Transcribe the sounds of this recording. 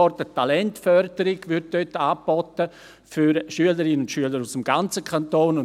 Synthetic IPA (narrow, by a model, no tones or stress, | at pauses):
ɔrtətalɛntfœrd̥əɾɪɡ̥ʋʏɾt̚d̥øtːaːb̥ɔtə | fyɾʃyələɾɪnənʊntʃyələɾusəmɡ̥ant͡səkʰantoːnʊ